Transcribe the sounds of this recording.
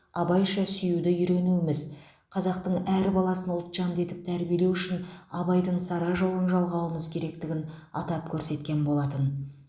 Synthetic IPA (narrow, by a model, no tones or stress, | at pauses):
ɑbɑjʃɑsʏjud̪ɪʏjɾe̞nuɪmɪz | qʰɑzɑq̚t̪əɴæɾbɑlˠɑsənwolˠt̪ʒɑnd̪e̞t̪ɪp̚t̪ʰæɾbije̞lewʏʃɪnɑβɑjd̪əɴsɑɾɑʒow̪ˠənʒɑlˠʁɑwəməzkʲʰe̞ɾe̞k̚t̪ɪɡʲɪnɑ̰t̪ɑpkʲʰɵɾse̞t̪kʲe̞nbo̞lˠɑt̪ən